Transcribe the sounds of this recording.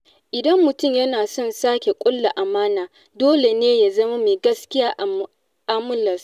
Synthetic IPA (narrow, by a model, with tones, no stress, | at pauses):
ʔɪ˨dɐ˦mːʊ˨tʊ˦˨mjɐ˦naː˨sɔ˦˨nsaː˦kʲe˨kʷʼʊ˦lːa˨ʔa˨maː˦naː˨ | doː˦le˨neː˦ja˨zɐ˦ma˦meː˨ɡɐ˦skʲɪ˦jaː˦ʔ | ʔaː˦mʊ˦lɐ˨s